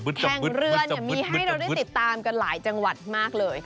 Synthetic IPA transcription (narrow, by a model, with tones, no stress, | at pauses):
ɛ˩˨˩ŋ˧ɾɯ˧ən˨˩miː˧ɦa˧˩jɾa˧wda˥˩t̪i˨˩t̪ːaː˧mka˧nlaː˩˦jt͡ɕa˧ŋwa˨˩t̪̚maː˥˩k̚lɤː˧j